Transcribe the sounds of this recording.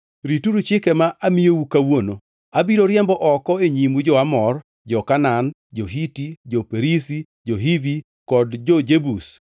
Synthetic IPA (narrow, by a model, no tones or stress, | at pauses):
ɾituɾut͡ʃɪkɛmaʔamijowukawono | abiɾoɾjɛmbɔʔɔkɔeɲimud͡ʒɔamɔr | d͡ʒɔkanan | d͡ʒoɦitid͡ʒopeɾisi | d͡ʒoɦivi | kɔdd͡ʒɔd͡ʒebus